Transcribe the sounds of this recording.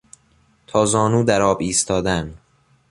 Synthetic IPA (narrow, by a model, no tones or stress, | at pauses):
t̪ʰɒːzɒːnuːd̪æɾɒːbiːst̪ʰɒːd̪æn